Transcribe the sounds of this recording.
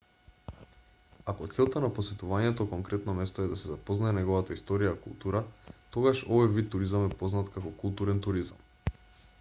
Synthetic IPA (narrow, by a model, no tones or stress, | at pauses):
akɔt̪sɛlˠt̪anaposɛt̪uvaɲɛt̪ɔkɔŋkɾɛt̪nɔmɛst̪ɔɛd̪asɛzapɔznaɛnɛɡovat̪aist̪ɔɾijakulˠt̪uɾat̪oɡaʃɔvɔjvit̪ːuɾizamɛpoznat̪kakɔkulˠt̪uɾɛnt̪uɾiza̰m